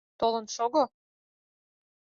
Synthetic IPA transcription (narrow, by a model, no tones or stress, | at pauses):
t̪olə̆nʃoɣo